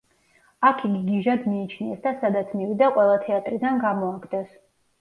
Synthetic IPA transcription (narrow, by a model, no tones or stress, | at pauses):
akʰiɡiɡiʒad̪miːt͡ʃʰniɛsd̪asad̪at̪sʰmivid̪aqʼwɛlˠat̪ʰɛat̪ʼɾid̪anɡamɔakʰd̪ʼɛs